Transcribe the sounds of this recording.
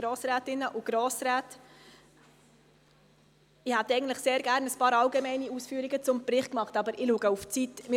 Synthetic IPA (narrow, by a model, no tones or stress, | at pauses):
ɾɔːsɾæːtɪnːəʔuɡ̥ɾoːsɾæːt | ɪhæt̪ɛɪɡən̩tləχseːɾɡæːɾnəspɑːɾɑlɡemɛɪniusfyːɾiɡət͡sʊmpɾɪχt̚kmɑχtɑbəɾʔɪluːɡəuft͡sitmɪ